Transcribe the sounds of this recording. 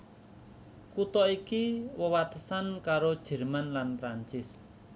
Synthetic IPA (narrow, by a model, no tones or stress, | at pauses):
kut̪ɔikiwəwat̪əsankaɾod̥ʒ̥ɛ̤rmanlanpɾaɲt͡ʃɪs